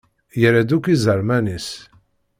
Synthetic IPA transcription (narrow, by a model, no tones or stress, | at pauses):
jəɾæd̪ukizəɾˤmænis